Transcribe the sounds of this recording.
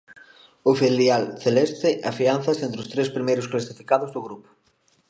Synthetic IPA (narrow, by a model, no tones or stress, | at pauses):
ʊfiljalθelest̪ɪʔafian̟θɐsẽnt̪ɾʊst̪ɾespɾimejɾʊsklasifikaðʊzðʊɣɾupʊ̥